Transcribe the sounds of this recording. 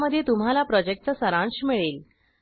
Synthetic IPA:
məd̪ʱːjet̪um̤ɦalapɾɔd͡ʑek̚ʈt͡səsəɾãɳɕmiɭel

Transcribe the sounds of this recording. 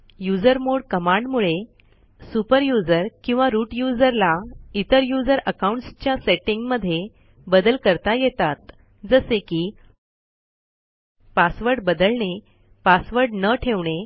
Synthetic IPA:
jud͡zəɾmoɽkəmaɳɖmuɭe | supəɾjud͡zəɾkĩw̃ʋaɾuʈjud͡zəɾlait̪əɾjud͡zəɾəkaũɳʈst͡ɕjaseʈĩŋɡməd̪ʱːje | bəd̪əlkəɾt̪ajet̪at̪ | d͡zəsekiː | pasʋəɾɽbəd̪əlɳe | pasʋəɾɽnəʈʰeʋɳe

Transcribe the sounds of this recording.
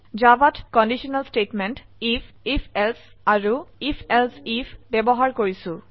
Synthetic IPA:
zabatkɔndiʃiɔnalstetmɛntif | ifʰɛls | aɹuifʰɛlsifʰbebɔɦaɹkoɹisʊ̃

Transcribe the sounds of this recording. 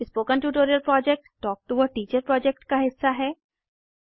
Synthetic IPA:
ɪspoːkə̃nʈuːʈ̬oːɾiəlpɾɔːd͡ʒɛk̚ʈʈɔːk̚ʈuʋəʈiːt͡ʃəɾpɾɔːd͡ʒɛk̚ʈkaɦɪsːaɦɛː

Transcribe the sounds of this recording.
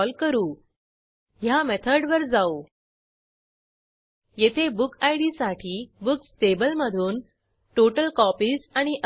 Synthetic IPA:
ɔlkəɾuː | ɦjamɛt̪ʰəɾɖʋəɾd͡zau | jet̪ʰebukʰajɽisaʈʰiːbuksʈebəlməd̪ʱuːn | ʈoʈəlkɔpiːsaɽ̃iʔ

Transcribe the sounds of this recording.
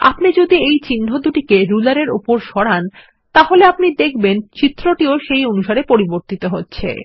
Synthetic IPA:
a̰pnid͡ʑod̪iejt͡ɕinɖʱod̪uʈikeɾulaɾeɾṵpoɾʃɔɽan | t̪aɦoleapnid̪ekʰbent͡ɕit̪ːɾoʈioʃejonuʃaɾepoɾiboɾt̪it̪oɦotːɕʰḛ

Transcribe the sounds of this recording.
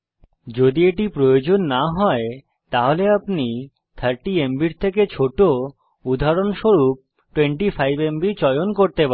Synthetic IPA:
d͡ʑod̪ieʈipɾojod͡ʑonːaɦɔe | t̪aɦoleapni | t̪ʰaɾʈiembiɾt̪ʰeket͡ɕʰoʈo | ud̪ʱaɾonʃoɾup̚ | ʈweɳʈifajbembit͡ɕɔjonkoɾt̪epa

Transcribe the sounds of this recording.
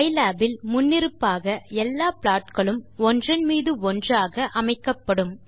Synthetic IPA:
ɐɪlaːbɪlmʊnːɪɾɯpːaːɣɐɛlːaːpɭaːʈkɐɭɯmɔndrɐnmiːðɯɔndraːɣɐʔɐmɐɪkːɐpːɐɽɯm

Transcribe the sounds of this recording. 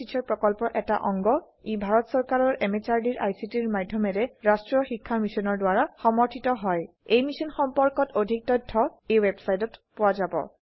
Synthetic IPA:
it͡ʃʰɔɹpɹɔkɔlpɔʔɛta̰ʔɔŋɡɔ | ibʱaɹɔtsɔɹkaɹɔɹʔɛmet͡ʃaɹdiɹʔajsitiɹmadʱjɔmɛɹɛɹastɹɔxikʰːamisɔnɔɹdwaɹaxɔmɔɹtʰitɔɦɔj | ejmisɔnxɔmpɔɹkɔtodʱik̚tɔjtʰːɔejwebsajtɔtpʊwazabɔ̰

